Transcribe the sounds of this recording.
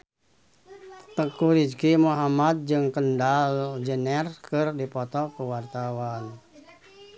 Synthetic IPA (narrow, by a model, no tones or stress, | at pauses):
t̪əkuɾid͡ʒkimuɦamat̪̚d͡ʒɨŋkəndald͡ʒənɛrkɨrdipɔt̪ɔkuwart̪awan